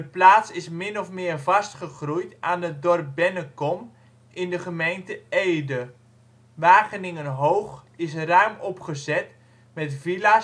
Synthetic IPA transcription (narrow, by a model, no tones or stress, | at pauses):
dəplaːtsɪsmɪnɔfmɪːrvɑstχəχrujtʔaːnədɔrp̚bɛnəkɔm | ʔɪndəχəmejntəejdə | ʋaːχənɪŋənɦowχɪsrœɥmɔpχəzɛt | mɛtvila